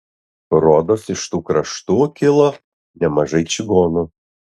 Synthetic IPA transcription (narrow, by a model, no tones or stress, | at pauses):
ɾoːd̪oːsɪʃt̪uːkɾɐʃt̪uːkʲɪlˠo | nʲɛmɐʒɐɪt͡ʃʲɪɡoːnu